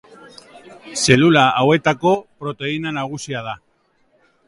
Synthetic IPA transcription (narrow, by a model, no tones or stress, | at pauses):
selulaawet̪akopɾot̪e̞inanaɣ̞usjað̞a